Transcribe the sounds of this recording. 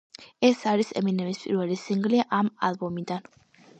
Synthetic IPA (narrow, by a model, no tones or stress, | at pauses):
ɛsaɾisɛ̰minɛvispʼḭɾvɛlisiŋɡliʔama̰lˠbɔmid̪an